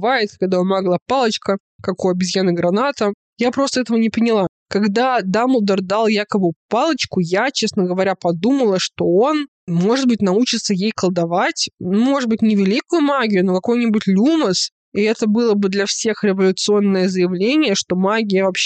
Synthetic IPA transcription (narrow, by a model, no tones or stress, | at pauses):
vajɪt̪kɐɡ̚d̪aomaɡlˠapalˠət͡ɕkə | kɐkojɐbʲɪzʲjanəɡɾɐnat̪ə | japɾo̞st̪əɛt̪əvənʲɪpənʲɪlˠa | kɐɡd̪ad̪aməlˠd̪ərd̪alˠjakəbɨpalˠət͡ɕkʊjat͡ɕesnəɡəvɐɾʲapɐd̪uməlˠəʂt̪o̞o̞n | mo̞ʐɨd̪̚bɨt̚ʲnɐut͡ɕɪt̪səjejkəlˠd̪ɐvatʲnumo̞ʐɨd̪̚bɨtʲnʲɪvʲɪlʲikʊjʊmaɡʲɪjʊno̞kɐko̞jnʲɪbʊtʲlʲuməs | iɛt̪əbɨlˠəbɨd̪lʲɐfsʲe̞xɾʲɪvɐlʲʊt̪sɨo̞nːɨjəzəjɪvlʲenʲɪjəʂt̪o̞maɡʲɪjəvɐpɕ